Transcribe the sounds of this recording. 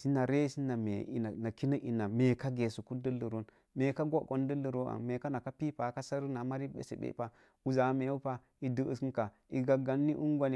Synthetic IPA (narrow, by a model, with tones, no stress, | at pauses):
si˦na˨ɾe˦si˦na˨mḛ˨ḭ˨na˨na˨ki˦nə˦ʔi˨na˨me˨ka˦ɡe˨su˨ku˦də˦lə˨ɾo˦n | me˨ka˦ɡʷo˦ko˦n˦də˦lːə˨ɾo˦a̰˨nme˨ka˦na˨ka˦pi˦pa˨˦ka˦sa˦ɾna˨ma˦ɾi˦bḛ˦sḛ˨bḛ˦pa˦ | u˨za˨˦me˨u˦pa˦ | i˨də˦ʔə˨si˦nka˨ | i˨ɡa˨ɡa˨nːi˦ʔu˦ŋɡʷa˦ni˨˦